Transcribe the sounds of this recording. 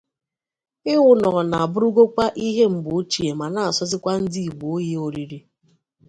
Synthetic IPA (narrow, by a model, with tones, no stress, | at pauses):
ɪ˦ŋʷʊ˨nɔ˨ɔ˨na˨a˨bʊ˦ɾu˦ɡo˦kʷa˦ʔi˦ɦe˦m̩˨bʊ˨o˦t͡ʃi˨e˨ma˨na˦˨a˨sɔ˦zɪ˦kʷa˦n̩˦di˦i˨ɡ͡bo˨˦je˦o˨ɾi˦ɾi˦